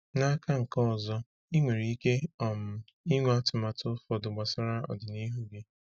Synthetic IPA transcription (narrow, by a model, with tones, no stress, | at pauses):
na˦ka˦ŋ̩˨kɔ˦˨zɔ˦ | i˦ŋʷe˨ɾi˨˦i˦ke˦ɔ˨m̩˨ | i˦ŋʷe˦a˦tʊ˨ma˨tʊ˦fɔ˨dʊ˨ɡ͡ba˨sa˦ɾa˦ɔ̰˨dɪ˨ni˦ɦu˦ɡe˦